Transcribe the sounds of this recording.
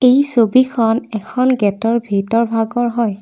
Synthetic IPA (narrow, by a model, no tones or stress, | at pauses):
ejsobikʰɔnɛkʰɔnɡɛtɔɹbʱitɔɹbʱaɡɔɹɦɔj